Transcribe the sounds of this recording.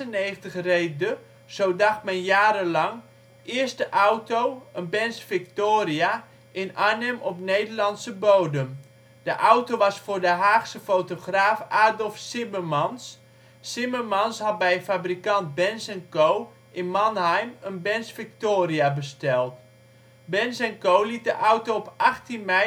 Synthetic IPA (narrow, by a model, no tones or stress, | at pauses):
əneːɣntəxrejdə | z̥owdɑxtmɛnjaːɾəlɑŋ | ɪəstəʔawtowənbɛnsfɪk̚toːria | ʔɪnanɛmɔpnejdərlɑnsəbowdəm | d̥əʔawtowʋɑsfʊrdəɦaːxsəfotoχraːfaːdɔlˠfsɪməmɑns | sɪməmɑnshɑt̚bɛjəfabrikɑnt̚bɛnsɛnkow | ɪnmɑnhɛjmənbɛnsfɪk̚toːriabəstɛlˠt | bɛnsɛnkowlit̚dəʔawtoɔpʔɑxtinmɛ